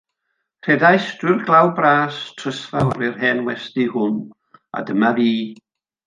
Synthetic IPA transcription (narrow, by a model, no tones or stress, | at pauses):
r̥ʰɛdajstɪrɡlˠawbraːstʰr̥əsvaɔɾɪrɦɛnwɛstihʊn | a̰dəmaviː